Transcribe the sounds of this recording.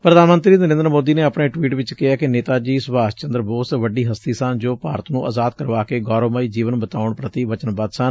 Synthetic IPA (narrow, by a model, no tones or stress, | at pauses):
pɾəd̪aːnmənt̪ɾiːnəɾẽːnd̪əɾmoːd̪iːneːəpɳeːʈwiːʈʋɪt͡ʃkɪɦaːkɪneːt̪aːd͡ʒiːsʊbaːst͡ʃə̃nd̪ɾboːsʋəɖiːɦəst̪iːsənd͡ʒoːpaːɾət̪nũːʔə̰ːzaːd̪kəɾʋaːkeːɡɔːɾoːməiːd͡ʒiːʋənbət̪aːʊɳpɾət̪iːʋət͡ʃənbad̪sən